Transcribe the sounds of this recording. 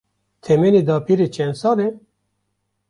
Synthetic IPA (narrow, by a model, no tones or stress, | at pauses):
t̪ʰɛmened̪ɑːpʰiɾet͡ʃʰɛnsɑːle